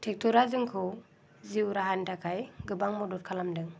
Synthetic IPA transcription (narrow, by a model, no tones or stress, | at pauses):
tʰɛk̚tʰɔɾazɯŋkʰɯ | ziwɾaɦantʰakʰajɡɯbaŋmɔdɔt̚kʰalamdɯŋ